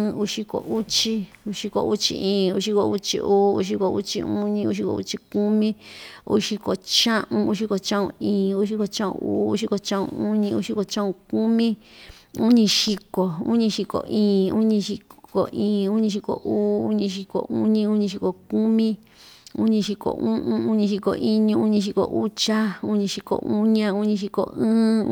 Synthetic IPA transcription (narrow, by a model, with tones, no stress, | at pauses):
u˧ʃi˧ko̰˨ʔu˦t͡ʃi˦ | u˧ʃi˧ko̰˨ʔu˦t͡ʃḭ˧ʔĩː˨u˧˦ʃi˧ko˧u˦t͡ʃḭ˧ʔuː˦u˧˦ʃ̬i˧ko˧˨u˦t͡ʃḭ˧u˦ɲĩ˧u˧ʃ̬i˧ko̰˧ṵ˦t͡ʃi˧ku˦mĩ˦ṵ˦ʃi˧ko˨t͡ʃã˦ʔũ˧u˧˦ʃi˧ko˨t͡ʃã˦ʔṵ̃˧ĩː˨u˦ʃi˧ko˧t͡ʃã˦ʔṵ̃˧uː˦u˦ʃi˧ko˧t͡ʃã˦ʔṵ̃˧u˦ɲĩ˧u˧˦ʃi˧ko˧t͡ʃã˦ʔũ˧ku˦mĩ˦u˦ɲĩ˧ʃi˧ko˨ṵ˦ɲĩ˧ʃi˧ko̰˨ʔĩː˨u˦ɲĩ˧ʃi˧ko˨ʔĩː˨u˦ɲĩ˧ʃi˧ko̰˨ʔuː˦u˦ɲĩ˧ʃ̬i˧ko̰˨ʔu˦ɲĩ˦u˦ɲĩ˧ʃ̬i˧ko˨ku˦mĩ˦ | ṵ˦ɲĩ˧ʃi˧ko̰˨ʔũ˦ʔũ˦u˦ɲĩ˧ʃ̬i˧ko̰˨ʔi˦ɲũ˧u˦ɲĩ˧ʃ̬i˧ko̰˨ʔu˦t͡ʃa˦u˦ɲĩ˧ʃi˧ko̰˨ʔu˦ɲã˦u˦ɲĩ˧ʃ̬i˧ko̰˨ɨ̃ː˦